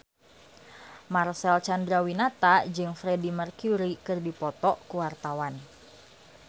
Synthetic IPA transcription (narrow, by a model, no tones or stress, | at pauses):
marsɛlt͡ʃandɾawinat̪ad͡ʒɨŋfɾɛdimərkuɾikɨrdipɔt̪ɔʔkuwart̪awan